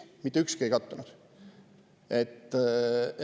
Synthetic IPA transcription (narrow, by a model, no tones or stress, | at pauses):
mit̪ːeykskiejkɑt̪ːunud̪̥ | et̪ː